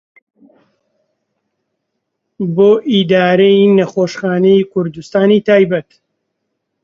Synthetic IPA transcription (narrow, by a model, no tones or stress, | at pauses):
boːʔid̪aːɾejnɐxoːʃxaːnejkʰʊɾd̪ust̪aːnit̪aːjbɐt̪